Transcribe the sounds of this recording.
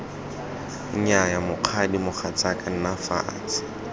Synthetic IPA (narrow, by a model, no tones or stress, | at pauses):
ɲajamʊq͡χʰadimʊχʰat͡sakʼan̩nafa̰ːt͡sɪ̥